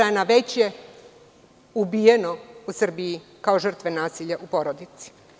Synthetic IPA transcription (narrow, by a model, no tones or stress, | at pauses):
anaʋe̞t͡ɕje̞ | ubiːjeno̞usr̩bijikao̞ʒər̩t̪ʋe̞naːsiʎaʔupo̞ɾod̪it̪si̥